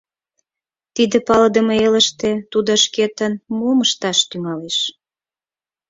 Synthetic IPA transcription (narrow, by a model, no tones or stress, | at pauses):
t̪id̪epɑləd̪əmeeləʃt̪et̪ud̪oʃket̪ənmoməʃt̪ɑʃt̪yŋɑleʃ